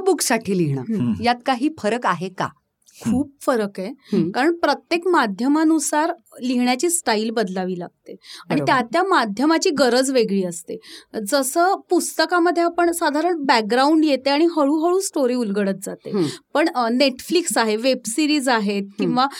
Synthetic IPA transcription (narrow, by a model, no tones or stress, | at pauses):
buksaʈʰiːliɦɳa̰jat̪kaɦiːfəɾəkaɦeka̰ | kʰuːb̚fəɾəkekaɾəɳpɾət̪jekmad̪ʱjəmanusaɾ | liɦɳjat͡ɕiːsʈailbəd̪laʋiːlaɡ̚t̪eaɽ̃it̪jat̪jamad̪ʱjəmat͡ɕiːɡəɾəd͡zʋeɡɭiːəst̪ed͡zəsəːpust̪əkaməd̪ʱːjeapəɳsad̪ʱaɾəɳbæk̚ɡɾauɳɖjet̪eaɽ̃iɦəɭũːɦəɭuːsʈoɾiːulɡəɽət̪̚d͡zat̪epəɳneʈfliksaɦeʋebsiɾiːd͡zaɦet̪̚kĩw̃ʋa